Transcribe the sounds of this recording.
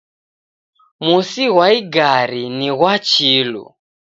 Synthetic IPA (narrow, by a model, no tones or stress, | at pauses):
musiɣwaiɡaɾiniɣwat͡ʃilṵ